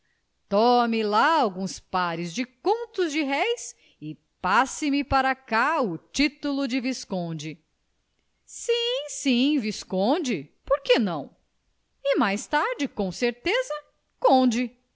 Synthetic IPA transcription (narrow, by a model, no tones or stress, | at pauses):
t̪ɔmɪlaawɡũspaɾɪzd͡ʒɪkõnt̪ʊzd͡ʒɪɦɛjs | ɪ | pasɪmɪpaɾɐkaʊt͡ʃit̪ulʊd͡ʒɪviskõd͡ʒɪ | sĩsĩviskõd͡ʒɪpoɾkenɐ̰̃w̃ | ɪmajst̪aɾd͡ʒɪkõw̃seɾt̪ezɐ | kõd͡ʒɪ